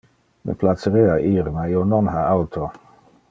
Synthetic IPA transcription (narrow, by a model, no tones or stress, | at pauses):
mḛplat̪səɾeaʔiːɾmaionɔnhaawt̪ʰo